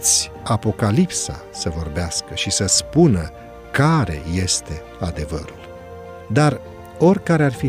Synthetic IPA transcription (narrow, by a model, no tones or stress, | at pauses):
t̪sʲ | apo̞kalipsa̰ | səvo̞rbeaskəʃisəspunə | kaɾe̞̰je̞st̪e̞ | ad̪e̞və̰ɾul | d̪ar | o̞rʲkaɾearfi